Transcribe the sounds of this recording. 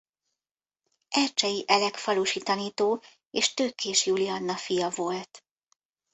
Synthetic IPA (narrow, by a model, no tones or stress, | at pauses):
ʔɛrt͡ʃɛjiʔɛlɛkfɒluːʃiːt̪ɒniːt̪oː | eːʃt̪øːkeːʃjuliɒnːɒfijɒvo̞lt̪